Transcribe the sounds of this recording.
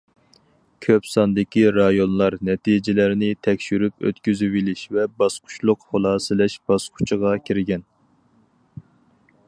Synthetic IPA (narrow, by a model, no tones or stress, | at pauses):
kʲʰøpsɑnd̪ɪkʲiɾɑjonlˠɑɾnɛt̪ʰid͡ʒɪlæɾnɪt̪ʰɛkʲʃyɾypø̰t̪kʲyzywilɪʃvɛbɑsqʰʊ̥t͡ʃlˠʊqχolˠɑːsɨlɛʃb̥ɑsqʰʊ̥t͡ʃʰəʁɑkʲʰiɾɡʲɛn